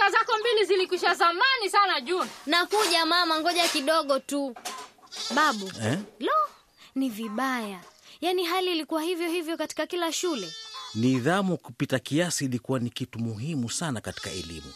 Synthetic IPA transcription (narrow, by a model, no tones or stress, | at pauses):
azakɔmbilizilikwiʃazamanisanaʄunanakuʄamamaŋɡɔʄakiɗɔɠɔtu | ɓaɓuɛlɔ | niviɓajajaniɦaliːlikuwahivjɔhivjɔkati̥kakilaʃulɛniðamukupitakiasiːlikuwanikitumuɦimusanakati̥ka̰ɛ̰lḭmṵ